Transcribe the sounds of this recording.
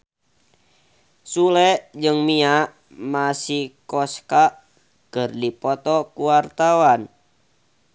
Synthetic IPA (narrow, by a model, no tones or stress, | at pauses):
sulɛʔd͡ʒɨŋmiaʔ | masihkɔskaʔ | kərdipɔt̪ɔkuwart̪awan